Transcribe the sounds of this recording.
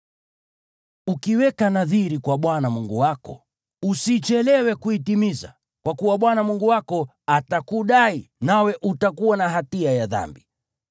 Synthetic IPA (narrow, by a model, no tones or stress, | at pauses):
ukiwɛkanaðiɾikwaɓwanamuŋɡuwakɔ | usit͡ʃɛlɛwɛkuitimiza̰ | kwakuwaɓwanamuŋɡuwakɔ | atakuɗainawɛʔutakuwanaɦatiajaða̰mbi